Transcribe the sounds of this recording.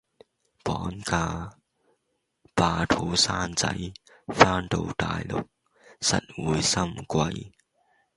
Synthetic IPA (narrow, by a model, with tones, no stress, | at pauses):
pɔː˨˥nkaː˧ | paː˧t̪ʰo˨˧˥wsaː˥nt͡sɐ̰˨˥j | faː˥nt̪o˧wt̪a̰ː˨jlʊ̰˨k̚ | sɐ̰˨t̚wuː˨˥jsɐ˥mkwɐ˧j